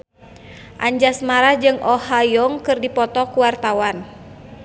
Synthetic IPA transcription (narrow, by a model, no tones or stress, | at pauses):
ʔa̰ɲd͡ʒasmaɾahd͡ʒɨŋʔɔhajɔŋkɨrdipɔt̪ɔkuwart̪awan